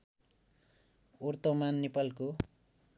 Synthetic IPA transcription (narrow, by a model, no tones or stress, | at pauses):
urt̪omanːepalko